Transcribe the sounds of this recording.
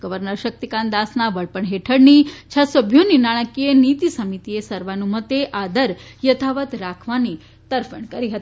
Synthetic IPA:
ɡ̥əʋəɾnəɾʃək̚t̪ikãnd̪asnaʋəɭpəɳɦeʈʰəɽnit͡ʃʰasəbʱjoninaɽ̃əkienit̪isəmit̪iesəɾʋanũmət̪eʔad̪əɾjət̪ʰaʋət̪ɾakʰʋani | t̪əɾfəɳkəɾiɦət̪i

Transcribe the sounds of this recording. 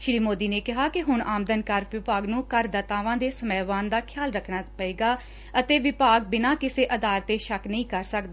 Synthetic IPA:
ʃɾiːmoːd̪iːneːkɪɦaːkɪɦʊɳaːmd̪ənkəɾʋɪpaːɡnũːkəɾd̪ət̪aːʋãːd̪eːsəmɛːʋaːnd̪aːkʰɪjaːlɾəkʰɽaːpəeːɡaː | ət̪eːʋɪpaːɡ̚bɪnaːkɪseːʔəd̪aːɾt̪eːʃəknəɦĩːkəɾsəkd̪aː

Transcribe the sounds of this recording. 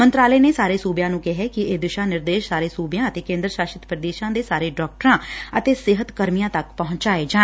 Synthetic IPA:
mənt̪ɾaːlɛːneːsaːɾeːsuːbjãːnũːkɛɦɛːkɪeːd̪ɪʃaːnɪɾd̪eːʃsaːɾeːsuːbjãːət̪eːkẽːnd̪ɾəʃaːʃət̪pɾəd̪eːʃãːd̪eːsaːɾeːɖɔːk̚ʈəɾãːət̪eːsɪɦət̪kəɾmijãːt̪əkpəɦʊ̃ɲt͡ʃaːeːd͡ʒaː

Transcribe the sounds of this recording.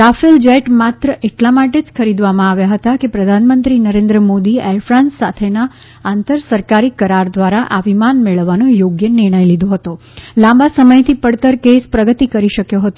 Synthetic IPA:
t̪afild͡ʒeʈmat̪ɾəʔeʈlamaʈed͡ʒkʰəɾid̪ʋamãaʋjaɦət̪akepɾəd̪ʱanmənt̪ɾinəɾẽnd̪ɾəmod̪iɛɾfɾãnsːat̪ʰena | ant̪əɾsəɾkaɾikəɾaɾd̪ʋaɾaʔaʋimanmeɭəʋːanojoɡjənɪɾɽ̃əjlid̪ʱoɦət̪o | lãmbasəməjt̪ʰipəɽt̪əɾkespɾəɡət̪ikəɾiʃəkjoɦət̪o

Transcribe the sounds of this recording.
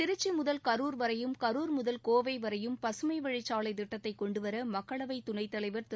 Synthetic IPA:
ɪɾɯt͡ʃːɯmʊðɐlkɐɾuːɾʋɐɾɐjɯmkɐɾuːɾmʊðɐlkoːʋɐɪʋɐɾɐjɯmpɐsɯmɐɪʋɐɻɪt͡ʃːaːɭɐɪt̪ɪʈːɐt̪ːɐɪkɔɳɖɯʋɐɾɐmɐkːɐɭɐʋɐɪt̪ʊɳɐɪt̪ːɐɭɐɪʋɐɾt̪

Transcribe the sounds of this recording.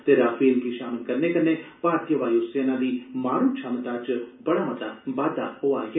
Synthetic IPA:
t̪eɾaːfʰiːlkiːʃaːməlkəɾneːkəɾnebaːt̪̚kjəʋaːjoseːnãːd̪iːmaːɾũːt͡ʃʰamt̪aːt͡ʃbəɽaːmət̪aːbaːd̪a̰ːhoːaːɡ

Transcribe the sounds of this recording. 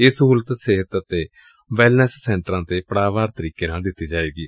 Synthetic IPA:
ɪsɦuːlət̪sɪɦət̪ət̪eː | ʋɛːlnəsːɛ̃ːɳʈəɾãːt̪eːpəɽaːʋaːɾt̪əɾiːkeːnãːd̪ɪt̪ːiːd͡ʒaːeːɡiː

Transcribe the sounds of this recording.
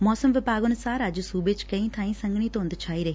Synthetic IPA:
mɔːsəmʋɪpaːɡʊnʊsaːɾəd͡ʒsuːbeːt͡ʃkəĩːt̪ʰaːĩːsə̃ŋɡɳ̃iːt̪õːnd̪t͡ʃʰaːiːɾəɦe

